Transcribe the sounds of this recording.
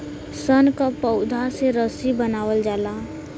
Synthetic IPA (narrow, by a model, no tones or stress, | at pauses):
sənkapəʊd̪ʱaseɾəsibənaːwəld͡ʒaːla